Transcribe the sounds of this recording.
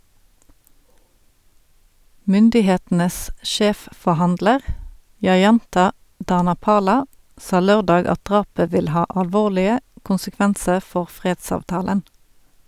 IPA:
ˈmʏndɪˌheːtn̩əs ˈʃeːffɔʁˌhɑndləʁ jɑˈjɑntɑ dɑnɑˈpɑːlɑ ˈsɑː ˈløːʁˌdɑːɡ ˈɑt ˈdʁɑːpə ˈʋɪl ˈhɑː ɑlˈʋoːʁlɪə kʊnsəˈkʋænsəʁ ˈfɔʁ ˈfʁeːdsɑːʋˌtɑːlən

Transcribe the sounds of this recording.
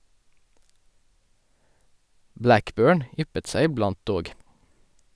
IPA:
ˈblækˌbøːɳ ˈʏpət ˈsæɪ ɪˈblɑnt ˈdoːɡ

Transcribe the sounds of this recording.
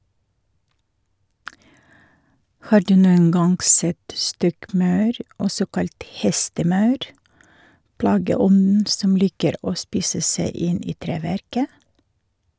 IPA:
ˈhɑːɾ ˈdʉː ˈnuːən ˈɡɑŋɡ ˈsɛt ˈstɔkˌmɑʉɾ ˈɔsɔ ˈkɑlt ˈhɛstəˌmɑʉɾ ˈplɑːɡəˌɔnn̩ ˈsɔm ˈliːkəɾ ˈoː ˈspiːsə ˈsæɪ ˈɪn ˈiː ˈtɾeːʋæɾkə

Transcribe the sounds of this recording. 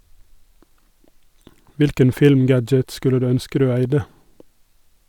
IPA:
ˈʋɪlkən ˈfɪlmˌɡæd͡ʒət ˈskʉlə ˈdʉː ˈœnskə ˈdʉː ˈæɪdə

